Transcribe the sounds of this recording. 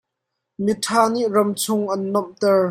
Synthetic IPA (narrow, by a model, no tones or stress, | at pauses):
mitʰaːniʔrɐmt͡sʰʊŋʔɐnːɔmt̪ɛɹ